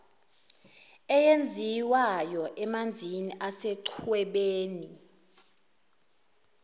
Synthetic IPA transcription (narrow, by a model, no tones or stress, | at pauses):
ɛjend͡zʱiwajɔʔɛmand͡zʱiniʔasɛǀʰwɛɓeːni